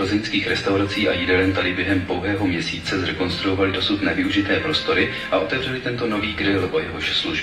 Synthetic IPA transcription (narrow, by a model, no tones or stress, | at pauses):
ozɪnskiːxɾɛst̪awɾat͡siːʔa̰jɪdɛlɛnt̪adɪbjɛɦɛmpo̞wɦɛːɦo̞mɲɛsiːt͡sɛzɾɛko̞nst̪ɾuovalɪdo̞sut̪nɛvɪuʒɪt̪ɛːpɾo̞st̪o̞ɾɪ | ʔaʔo̞t̪ɛvr̝ɛlɪt̪ɛnt̪o̞no̞viːɡɾɪlʔojɛɦo̞ʃsluʒ